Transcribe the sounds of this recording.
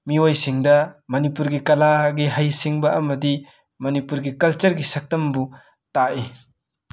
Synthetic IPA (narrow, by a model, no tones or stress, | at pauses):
miwojsiŋdɐmɐnipuɾɡikɐlaɡiɦajsiŋbɐʔɐmɐdi | mɐnipuɾɡikɐlt͡ʃɐɾɡisɐk̚tɐmbu | taʔi